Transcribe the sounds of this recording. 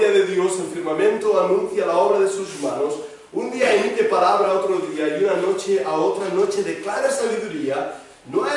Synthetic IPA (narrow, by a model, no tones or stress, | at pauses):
aðeðjoselfiɾmamẽnt̪oanũn̟θjalaoβɾaðesusumanos | und̪iaiŋkepaɾaβlaot̪ɾoðiajunano̞t͡ʃeʔaot̪ɾanot͡ʃeðeklaɾasaβiðuɾia | noe